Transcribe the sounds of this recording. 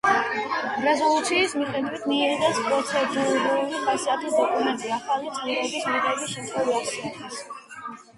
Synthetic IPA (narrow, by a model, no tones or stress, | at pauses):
ɾɛzɔlˠut̪sʰiːsmiχɛd̪wit̪ʰnid̪ɛspʼɾɔt̪sʰɛd̪ɛlɛbuulipʰasiat̪ʰid̪ɔkʼumɛnt̪ʼiaχaliɛnɾɛbismiʁɛbiʃɛmt̪ʰʼχwɛviaɾsɛɛd̪ɛs